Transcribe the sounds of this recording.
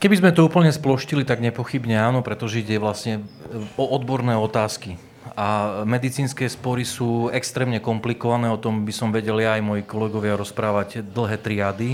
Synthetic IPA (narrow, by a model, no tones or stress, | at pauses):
kɛbizmɛt̪ɔuːpl̩ɲɛsplɔʃcilit̪aɡɲɛpɔxibɲɛaːnɔpɾɛt̪ɔʒɛiɟɛʋlasɲɛɔʔɔd̪bɔɾnɛːɔt̪aːski | amɛd̪it͡siːnskɛːspɔɾisuːɛkst̪ɾɛːmɲɛkɔmplikɔʋanɛːɔt̪ɔmbisɔmʋɛɟɛljaːjmɔjikɔlɛɡɔʋɪaɾɔspɾaːʋaɟd̪l̩ɦɛːt̪ɾiad̪i